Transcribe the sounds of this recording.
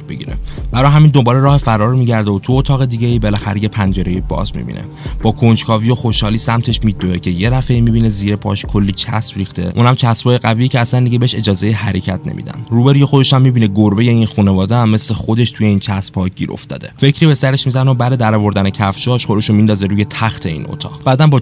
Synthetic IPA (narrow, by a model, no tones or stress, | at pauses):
b̥eɡḭɾḛb̥æɾɒːjɦæmind̪o̞mbɒːleɾɒːhefæɾɒːɾmiɟæɾd̪eot̪ʰuot̪ʰɒːɣe̞d̪iːɟeiːbelæxæ̰ɾeje̞pʰænd͡ʒe̞ɾejebɒ̰ːzmḭbḭnʔḛ | b̥ɒːkʰo̞nd͡ʒkʰɒːvijo̞xoʃhɒːliːsæmt̪ʰe̞ʃmiːd̪oecʰe̞jed̪æfeimibineziːɾepʰɒ̰ːʃkʰo̞lːiːt͡ʃʰæ̰sbɾiːxt̪e̞̰ʔunhæmt͡ʃʰæsbʰɒːjeɣævijicʰeæslænd̪iɟebeeʃe̞d͡ʒɒːzejeɦæɾe̞cʰæt̪ʰnḛmḭd̪æ̰nɾuːbeɾijexod̪e̞ʃæmːibiːneɡoɾbe̞jeinxunevɒːd̪eæmːeslexo̞d̪e̞ʃt̪ʰuje̞iːnt͡ʃʰæsb̥hɒːɟ̥ḭɾʔo̰fd̪ɒ̰ːd̪e̞fe̞cʰɾibe̞sæɾeʃmizænobæɾed̪æɾɒːvoɾd̪ænecʰæfʃɒːʃxo̞d̪e̞ʃomind̪ɒːzeɾuːje̞t̪ʰæxt̪ʰe̞ḭːno̰t̪ʰɒ̰ːɣ̥b̥æːd̪ænbɒ